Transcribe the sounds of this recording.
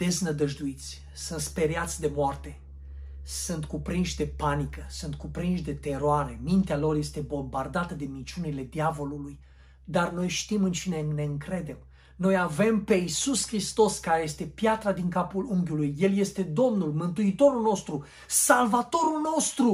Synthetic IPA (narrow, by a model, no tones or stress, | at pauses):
d̪̥e̞znəd̪əʒd̪uit̪sʲ | sɨnt̪spe̞ɾeat̪sʲd̪e̞moart̪e̞ | sɨnt̪kupɾinʃʲd̪e̞panikəsɨnt̪̚kupɾinʃd̪e̞t̪e̞ɾoaɾe̞mint̪ealo̞rje̞st̪e̞bo̞mbard̪at̪əd̪e̞mint͡ʃunile̞d̪iavo̞luluj | d̪arno̞jʃt̪imɨnt͡ʃine̞ne̞ɨŋkɾe̞d̪e̞m | no̞jave̞mpe̞isuskɾist̪o̞skaɾeje̞st̪e̞pjat̪ɾad̪iŋkapuluŋɡʲulujːe̞lje̞st̪e̞d̪o̞mnulmɨnt̪uit̪o̞ɾulno̞st̪ɾu | salvat̪o̞ɾulno̞st̪ɾu